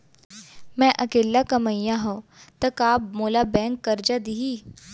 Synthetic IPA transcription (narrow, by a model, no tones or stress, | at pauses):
mɛ̃ʔɐkeːlːakɐməjãɦõt̪ɐkaːp̚moːlabɛ̃ːŋkːɐɾd͡ʒad̪iɦiː